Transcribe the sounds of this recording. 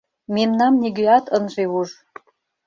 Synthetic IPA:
memnɑmniɡøɑt̪ənʒeuʒ

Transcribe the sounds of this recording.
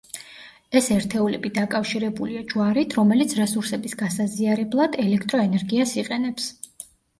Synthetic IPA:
ɛsɛɾt̪ʰɛulɛbid̪akʼafʃiɾɛbuliad͡ʒwaɾit̪ʰɾɔmɛlit̪sʰɾɛsuɾsɛbisɡasaziaɾɛblˠad̪ɛlɛkʰt̪ʼɾɔɛnɛɾɡiasiqʼɛnɛps

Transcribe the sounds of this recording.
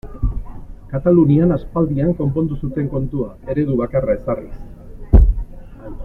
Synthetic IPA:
kat̪alunianaspald̪iaŋko̞mpo̞nd̪usut̪e̞ŋko̞nt̪uae̞ɾe̞ðuβakarae̞sarḭs

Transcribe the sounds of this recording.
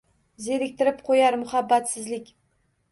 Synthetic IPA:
zeɾɪk̚ʲt̪ʰɪɾɪp̚qʰojaɾmʊhabːat̪sɪzlɪkʲ

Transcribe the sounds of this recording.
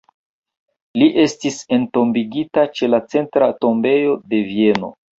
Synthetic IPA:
liʔe̞stise̞nto̞mbiɡitat͡ʃe̞lat͡se̞ntɾato̞mbe̞jo̞de̞vie̞no̞̰

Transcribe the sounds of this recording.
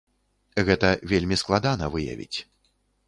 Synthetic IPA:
ɣɛt̪ɐvʲelʲmʲisklˠad̪anɐvɨjɐ̰vʲḭt͡sʲ

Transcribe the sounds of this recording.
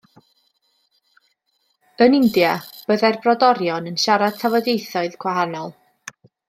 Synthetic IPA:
ənɪndjab̥əðɛrbrɔdɔɾjɔnənʃaɾad̥̚tʰavɔdejθɔɨðkʰwaɦanɔlˠ

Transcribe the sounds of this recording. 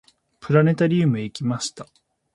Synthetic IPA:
pɯ̟ɾane̞t̪aɾʲiːmɯ̟eikʲimaɕi̥t̪a

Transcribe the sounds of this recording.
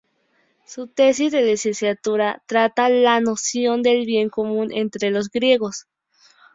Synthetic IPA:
sut̪e̞s̬izðe̞lisensjat̪uɾat̪ɾat̪alano̞sjo̞nd̪e̞lβje̞ŋkomũnʔḛnt̪ɾelo̞z̬ɡɾje̞ɣo̞s

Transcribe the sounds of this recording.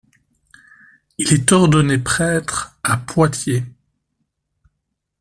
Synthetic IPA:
ilɛt̪ɔʁd̪ɔnepχɛːt̪χapwat̪je

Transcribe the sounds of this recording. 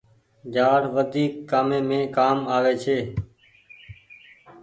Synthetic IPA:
d͡ʒaːɾʋəd̪ʱiːkːaːmẽːmẽːkaːmaːʋeːt͡ʃʰeː

